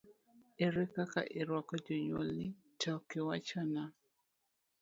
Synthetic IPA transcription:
eɾɛkaka̰ʔeɾwakad͡ʒɔɲo̰li | takewat͡ʃana

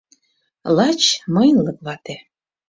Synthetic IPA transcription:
lɑt͡ɕmɤjnlɤk̚βɑt̪e

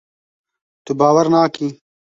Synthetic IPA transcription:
t̪ubaːwɐɾnaːki

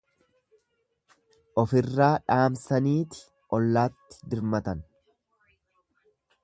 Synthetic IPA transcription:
ʔɔfɪrːaːᶑaːmsɐniːt̪ɪ̥ | ʔɔlːaːt̪ːɪ̥d̪ɪɾmɐt̪ɐn

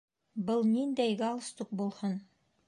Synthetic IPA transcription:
bɤlˠnind̪æjɡɑlˠɤ̆st̪uq̚bulˠhɤn

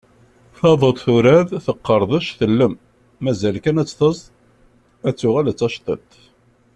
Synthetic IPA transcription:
θɑðˤət̪ˤθuɾæðθəqːəɾˤðˤəʃθəlːəmː | æzælkænæt͡sːθəz | æt͡sːʊʁælət͡sːɑʃt̪ˤə̰t̪

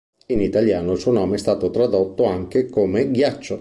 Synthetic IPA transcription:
init̪aljaːnoilsuːonɔːmeɛst̪aːt̪ot̪ɾad̪ot̪ːoaŋk̟ekomeɡjat͡ʃːo

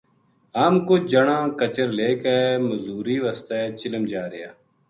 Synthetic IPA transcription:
ɦaːmkod͡ʒəɳãːkət͡ʃəɾleːkɛːməzuːɾiːʋəst̪ɛːt͡ʃɪləmd͡ʒaːɾɪjaː

